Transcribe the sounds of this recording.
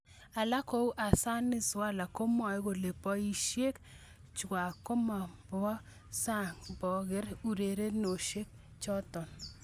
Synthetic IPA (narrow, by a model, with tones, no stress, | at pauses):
a˨la˦ko˦u˦ʔa˨sa˦nɪ˦swa˦˨la˨ko˦m˦a˨jɡo˨le˨pɔ˦i˦ʃje˦k | t͡ʃɡa˨ko˦ma˨bɔ˦ | sa˦˨ŋbɔ˨ɣɪ˦ɾu˨ɾe˨ɾe˦no˨ʃe˦k̚ | t͡ʃɔ˦tɔ˨n